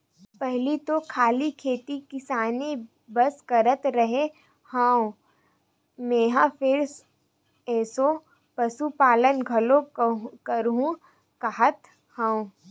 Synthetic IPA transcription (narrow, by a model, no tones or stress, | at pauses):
pɛɦlit̪okʰaːlikʰeːt̪ikɪsaːne | bɐskɐɾət̪ɾɐɦe | hãː | meːɦãpʰɪɾs | ɛːso | pɐsupaːlənɡʱɐlokɐɾɦũ | kaɦət̪ | hãːũ